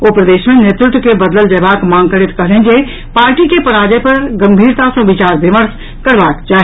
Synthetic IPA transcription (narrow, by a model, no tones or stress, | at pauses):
oːpɾəd̪eːʃmẽneːt̪ɾʊt̪wkebɐd̪ləld͡ʒeːbaːkmãːŋkəɽɪt̪kɐɦlẽd͡ʒe | paːɾʈikepɐɾaːd͡ʒepɐɾɡɐ̃mbʱiːɾt̪asõʋɪt͡ʃaːɾbɪməɾs | kəɾʋaːkd͡ʒaːɦ